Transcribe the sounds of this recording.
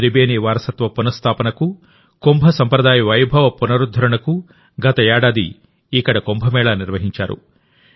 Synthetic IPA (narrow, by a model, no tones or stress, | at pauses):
ɾibeːniːʋaːɾɐsɐt̪ʋɐpunɐst̪ʰaːpɐnɐku | kombʱɐsɐmpɾɐd̪aːjɐʋɐjbʱɐʋɐpunɐɾud̪ʱːɐɾɐɳɐku | ɡɐt̪ɐjaːɽaːd̪iː | kɐɽɐkombʱɐmɛːɭaːniɾʋɐɦiɲt͡ʃa̰ːɾṵ